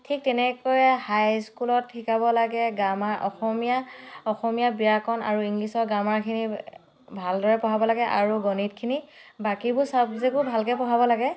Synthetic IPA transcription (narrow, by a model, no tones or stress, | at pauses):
tʰik̚tɛnɛkojhajskulɔtʰikabɔlaɡɛɡamaʔɔ̰xɔmijaɔxɔmijabijakʰɔna̰ɹuiŋlisɔɹɡamaɹkʰini | bʱaldɔɹɛpɔɦabɔlaɡɛʔa̰ɹuɡɔnit̚kʰinibakibʊsabzekʊɹbʱalkɛpɔɦabɔlaɡɛ